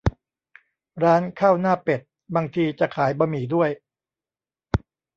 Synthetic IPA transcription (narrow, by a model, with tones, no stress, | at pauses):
ɾaː˦˥nkʰaː˥˩wnaː˥˩pe˨˩t̪̚ | baː˧ŋt̪ʰiː˧t͡ɕa˨˩kʰaː˩˦jbaː˧miː˨˩˦du˥˩əj